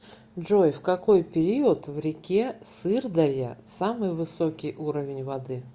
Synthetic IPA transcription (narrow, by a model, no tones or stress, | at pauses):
ʐojfkɐko̞jpʲɪɾʲiət̪vɾʲɪkʲesɨrd̪ɐɾʲjə̰samɨjvɨsokʲɪjʔuɾəvʲɪnʲvɐd̪ɨ